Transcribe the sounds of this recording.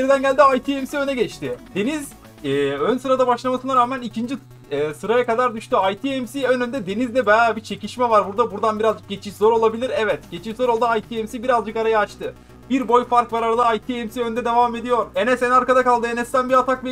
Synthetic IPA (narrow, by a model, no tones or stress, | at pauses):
jeɾid̪ænɟælʲd̪iajt̪ʰiemsiø̞nɛɟɛt͡ʃt̪ʰɪd̪̥e̞niz | ɛːønsɯɾad̪abaʃlˠamasɯnaɾaːmænicʰind͡ʒi | ɛːsɯɾajakad̪aɾd̪yʃt̪yajt̪ʰiɛmsiønønd̪ɛd̪enizd̪ɛbajabit͡ʃʰe̞ciʃmɛvaɾbuɾd̪abuɾd̪anbiɾazd͡ʒɯk̚ɟe̞t͡ʃʰiʃzo̞ɾo̞lˠabilʲiɾɛvɛt̪ɟ̥e̞t͡ʃʰiʃzoɾo̞lˠd̪aajt̪ʰiemsibiɾazd͡ʒɯkaɾajaːt͡ʃt̪ɯ | b̥iɾbo̞jfaɾkvaɾaɾalˠɯajt̪ʰiemsiø̞nd̪ɛd̪e̞vame̞d̪ijo̞ɾe̞nɛsɛnaɾkad̪akalˠd̪ɯe̞nɛst̪ænbiat̪ʰakvi